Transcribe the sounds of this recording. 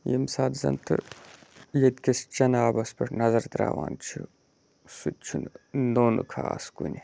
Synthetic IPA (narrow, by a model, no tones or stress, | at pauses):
jimsaːd̪zɐ̰nt̪ʰɨ | jed̪kʲest͡ʃɐnaːbɐspɐʈnɐzɐɾt̪ɾa̰ːʋa̰ːnt͡ʃʰu | sut͡ʃʰunnoːnɨkʰaːskunʲi